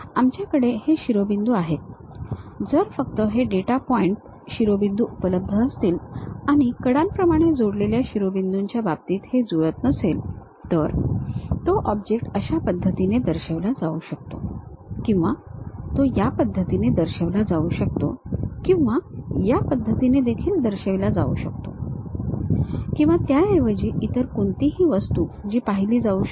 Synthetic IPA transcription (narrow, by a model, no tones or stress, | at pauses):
amt͡ɕjakəɽeheɕiɾobind̪uaɦet̪̚ | d͡zəɾfək̚t̪əɦeɖeʈapɔiɳʈ | ɕiɾobind̪uʔupələbbdʱəːst̪iːlaɽ̃ikəɽãmpɾəmaɽ̃ed͡zoɽleljaɕiɾobind̪uɲt͡ɕjabab̚t̪iːt̪hed͡zuɾət̪nəsel | t̪əɾt̪oʔɔbd͡ʑek̚ʈəɕapəd̪ʱːət̪ined̪əɾɕeʋlad͡zauɕək̚t̪o̰kĩw̃ʋat̪ojapəd̪ʱːət̪ined̪əɾɕəʋlad͡zauɕək̚t̪o̰kĩw̃ʋajapəd̪ʱːət̪ined̪ekʰiːld̪əɾɕeʋlad͡zaṵɕək̚t̪o̰ | kĩw̃ʋat̪jaeʋəd͡ʑiʔit̪əɾkoɳt̪iɦiːʋəst̪uːd͡ʑiːpaɦiliːd͡zau